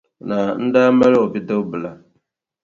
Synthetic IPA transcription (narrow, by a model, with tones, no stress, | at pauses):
na˨n̩˦daː˦mɛ˦lɔ˨bi˦tə˦bɨ˨la˨